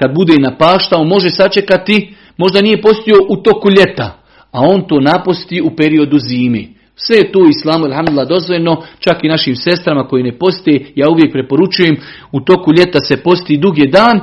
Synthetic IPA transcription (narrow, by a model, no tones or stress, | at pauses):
kad̪̚bud̪eːnapaːʃt̪aumo̞ʒesat͡ʃe̞kat̪i | mo̞ʒd̪anije̞po̞st̪io̞ʔut̪o̞kuʎʲe̞t̪a | ao̞ːnt̪o̞ːnapost̪iupe̞ɾio̞d̪uziːmḛː | sʋe̞jet̪oːislaːmualɦamd̪ulːad̪o̞zʋoʎʲeno̞t͡ʃakinaʃiːmse̞st̪ɾamako̞jene̞po̞st̪eejaːuʋje̞k̚pɾe̞po̞ɾut͡ʃuje̞m | ut̪o̞kuʎʲe̞t̪ase̞po̞st̪id̪uɡed̪aːn